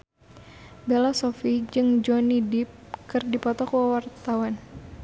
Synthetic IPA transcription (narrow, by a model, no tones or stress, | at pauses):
belɔsɔfid͡ʒɨŋd͡ʒɔnidip̚kɨrdipɔt̪ɔkwawart̪awan